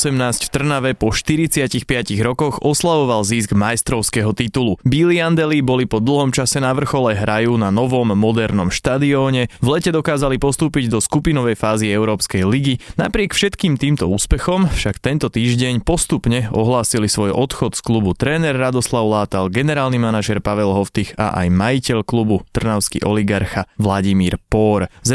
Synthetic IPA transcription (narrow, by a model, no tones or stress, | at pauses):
sɛmnaːscft̪r̩naʋɛpɔʃt̪iɾit͡sɪacixpɪaciɣɾɔkɔɣɔslaʋɔʋalziːsɡmajst̪ɾɔʊskɛɦɔt̪it̪ulubiliand̪ɛlibɔlipɔd̪l̩ˠɦɔmt͡ʃasɛnaʋr̩xɔlɛɦɾajunanɔʋɔmːɔd̪ɛɾnɔmʃt̪ad̪iɔːɲɛvlɛcɛd̪ɔkaːzalipɔst̪uːpiɟd̪ɔskupinɔʋɛjfaːziɛʊɾɔːpskɛjliɡina̰pɾɪɛkfʃɛt̪kiːmt̪iːmt̪ɔuːspɛxɔmfʃakt̪ɛnt̪ɔt̪iːʒɟɛɲpɔst̪upɲɛɔɦlaːsilisʋɔjɔt̪xɔt̪sklubut̪ɾɛːnɛrːad̪ɔslaʊlaːt̪alɡɛnɛɾaːlnimanaʒɛɾpaʋɛlɦɔft̪ixa̰ʔa̰jmajicɛʎklubut̪r̩naʊskḭʔɔliɡaɾxaʋlaɟimiːɾpɔːɾz